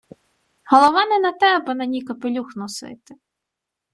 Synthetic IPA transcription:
hɔlˠɔʋɑnɛnɐt̪ɛɐbɪnɐnʲikɐpɪlʲuxnɔsɪ̰t̪ɪ̥

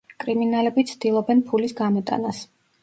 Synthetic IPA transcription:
kʼɾiminalɛbit̪sʰd̪̥ilˠɔbɛnpʰulisɡamɔt̪ʼa̰nas

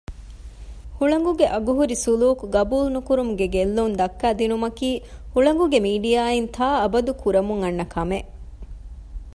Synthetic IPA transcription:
huɭɐŋ̆ɡuɡeʔɐɡuɦuɾisuluːkuɡɐbuːlnukuɾumuɡeɡelːuːnd̪ɐkːæːd̪inumɐkiːhuɭɐŋ̆ɡuɡemiːɖijaːint̪ʰaːɐbɐd̪ukuɾɐmuŋɐnːɐkʰɐme

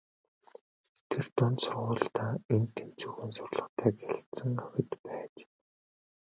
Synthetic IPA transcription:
t̪ʰert̪ʊnt̪sʊrʁʊːɮt̪aːent̪ʰːent͡suɣɘːnsʊrʲɮə̆χt̪ʰæːɡeɮt̪sə̆ŋœxʲɪ̆t̪pæːt͡ɕ

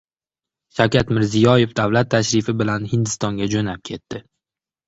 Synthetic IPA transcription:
ʃawkʲʰat̪mɪɾzɪjɒje̞fd̪avwlat̪ʰːaʃɾɪfɪbɪlanhɪnd̪ɪst̪ɒŋɡʲad͡ʒonap̚kʲʰe̞t̪ːɪ

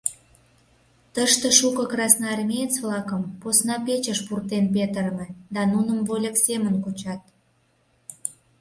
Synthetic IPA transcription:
t̪əʃt̪əʃukəkrɑsnɑɑrmʲiet͡sβlɑkə̆mposnɑpet͡ɕəʃpurt̪enp̬et̪əɾmed̪ɑnunəmvolʲəksemənkot͡ɕɑt̪

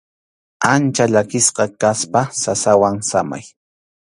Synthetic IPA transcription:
ant͡ʃaʎakɪsqɑkaspasasawaŋsama̰j

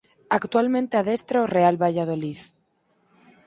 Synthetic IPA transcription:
akt̪ualmẽnt̪eaðest̪ɾaorealβaʝaðoliθ

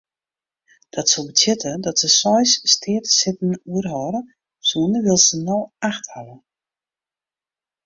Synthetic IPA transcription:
d̥ɔtsobətʰjɪtʰədɔtsəsɔjsstʰɪːətsɪtn̩uərɦɔɾə | suːnəʋɪlˠsənoaxthalə

